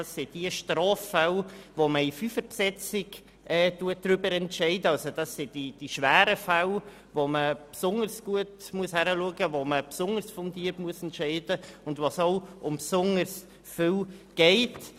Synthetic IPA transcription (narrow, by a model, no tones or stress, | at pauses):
sːɪd̥iəʃtɾɑːfːalvoməifyfəɾpsɛt͡sɪɡ | ʔɛːduət̚d̥ɾʏbəɾɛntʃɛɪdəɑlsod̥ɑsːɪd̥id̥iʃvæːɾəfal | voməpsʊŋəɾsɡ̥uətmuəshæɾəluəɡəvoməpsʊŋəɾsfʊŋdiəɾpmuəsɛntʃɛɪdəʊndvosoʊʊmpsʊŋəɾs | fʏlɡ̥ɛɪt